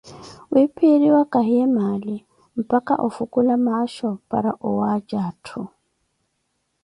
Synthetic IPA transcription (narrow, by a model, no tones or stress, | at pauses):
wipʰiɾiwakʼaɦiɛmaːli | m̩pʼakʼa̰ʔufukʼulamaʃɔpʼa̰ɾa̰ʔʊwad͡ʒaːtʰʊ